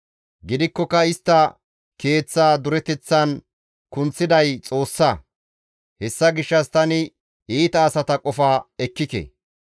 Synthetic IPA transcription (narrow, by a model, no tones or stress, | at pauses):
ɡɪd̪ɪkːɔkɐɪst̪ːɐ | ke̞ːt͡sːaːd̪ʊɾɛt̪ɛt͡sːɐn | kʊnt͡sːɪd̪ɐjt͡sʼo̞ːsːɐ | hɛsːɐɡɪʃːɐst̪ɐnɪ | iːt̪ɐːsɐt̪ɐkʼɔfaːɛkːɪkɛ̰